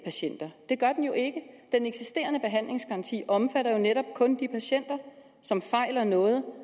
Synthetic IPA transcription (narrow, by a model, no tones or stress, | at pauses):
pʰæɕen̰d̥ɐd̥e̝ɡ̥ɶɐd̥enjo̝ʔe̝ɡ̥əd̥eneɡ̥sisd̥e̝ːɐnəb̥e̝ɦæn̰le̝ŋsɡ̥ɑʁɑ̈nt͡sʰḭːɒ̽mfæɾɐjo̝neɾɒ̽b̥kʰɔ̽nd̥ipʰæɕen̰d̥ɐ | sɒ̽mfɑ̈ɪ̰lɐnɔ̽ːð̞̩ˠ